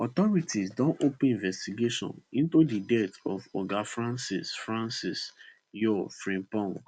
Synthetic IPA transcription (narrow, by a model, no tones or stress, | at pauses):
ɔtɔɹitʰisdɔ̃nopnĩvɛstiɡeʃɔ̰̃nĩntudidɛtɔfɔɡafɹãnsisfɹãnsis | jɔfɾĩmpɔ̃ŋ